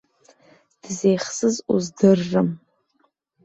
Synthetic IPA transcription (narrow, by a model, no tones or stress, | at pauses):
d̥zejχsɨzuzdɨrːɨm